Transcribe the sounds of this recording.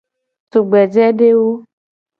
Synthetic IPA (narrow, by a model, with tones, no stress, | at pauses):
t̪u˨ɡ͡bɛ˨d͡ʒɛ˦ɖe˦wo˦